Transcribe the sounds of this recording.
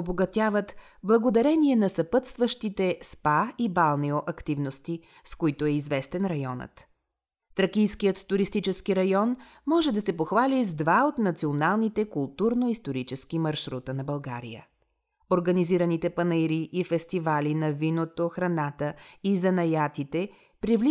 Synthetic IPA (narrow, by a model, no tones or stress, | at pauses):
oboɡɐt̪ʲjavət̪ | blˠɐɡod̪ɐɾɛniɛnɐsɐpət̪st̪vəʃt̪it̪ɛspaibalˠnɛoʔɐkt̪ivnost̪i | skoit̪oɛizvɛst̪ɛnɾɐjɔnə̰t̪ː | ɾɐkijskijət̪ːuɾist̪it͡ʃɛskiɾɐjɔnmɔʒɛd̪ɐsɛpoxvalizd̪vaot̪nɐt̪sionalˠnit̪ɛkʊlˠt̪uɾnoist̪oɾit͡ʃɛsk̟imɐɾʃɾut̪ənɐbɐlˠɡa̰ɾḭjə̰ | oɾɡɐniziɾɐnit̪ɛpɐnɛjɾiʔːfɛst̪ivalinɐvinot̪oxɾɐnat̪əizɐnɐjat̪it̪ɛ | pɾivli